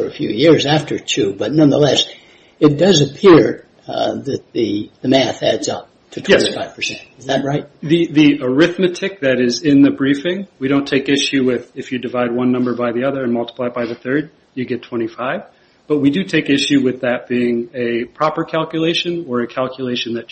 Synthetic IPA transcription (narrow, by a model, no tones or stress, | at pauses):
ə˞ɨfjʉ̰jɪɹzæftə˞tʰʉbʌtⁿnʌ̃nðə̰lɛs | ɨt̚d̥ʌzɨpʰɪɹ | ðɨt̪̚ðɨðɨmæθæ̰dzʌp̚ | tʰɨtʰwjɛ̃tifaɪv̥pʰə̥˞sɛ̰̃ntɨzðɨt̚ɹaɪt̚ðiðiə˞ɪθmɨtʰɨk̚ðɨɾɪzɪ̃nðɨbɹifɪ̃ŋwiɾõʊ̃ntʰeɪkɪʃʉwɪðɨfjɨdɨvaɪd̚wʌ̃nːʌ̃mbə˞baɪðiʌðə˞ɨ̃nmʌlˠtə̥pʰl̥aɪt̚b̥aɪðɨθɜ˞d̚ | jɨɡɛtʰw̥ɛ̃ɾ̃ifaɪv | b̥ʌt̚widɨtʰeɪkɪʃʉwɨðɨt̚b̥iɪ̃ŋɨpʰɹ̥ɑpə˞kʰælˠkjɨleɪʃɨ̃nə˞ɨkʰælˠkʰjɨleɪʃɨ̃n̩ðɨ